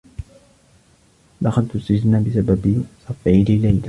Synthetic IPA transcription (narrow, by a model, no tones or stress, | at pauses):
lɑqɑd̪t̪ʊst̪ad͡ʒ̪nabɪsababsˤɑfʕilɪlajla